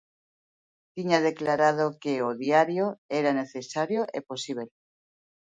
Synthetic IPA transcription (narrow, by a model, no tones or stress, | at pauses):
t̪iɲaðeklaɾað̞okeoðjaɾjoeɾane̞θesaɾjoʔeposiβ̞el